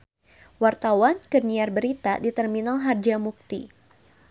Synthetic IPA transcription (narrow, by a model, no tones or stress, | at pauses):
wart̪awankərniarbəɾit̪a̰dit̪ɛrminalɦard͡ʒamuk̚t̪ḭ